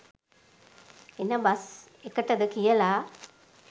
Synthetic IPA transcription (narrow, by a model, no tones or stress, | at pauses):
enːɐbɐs | ekːɐʈːɐd̪ɨkijɐla